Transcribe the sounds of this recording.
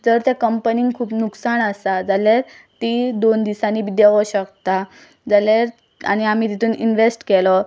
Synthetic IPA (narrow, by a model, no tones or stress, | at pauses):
d͡zəɾt̪ekəmpəniŋɡkʰuːpnuksaɳəsad͡zalaɾ | t̪iːd̪ond̪isaniːbid̪eʋəɕəkt̪a | d͡zalaɾ | a̰ɽ̃iam̤iːt̪it̪ʰuːninʋesʈkɛlɔ